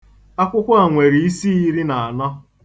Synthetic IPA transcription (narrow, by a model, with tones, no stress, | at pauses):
a˦kʷʊ˦kʷʊ˦a˨ŋʷe˨ɾi˨i˦si˦i˦ɾi˦na˨a˨nɔ˦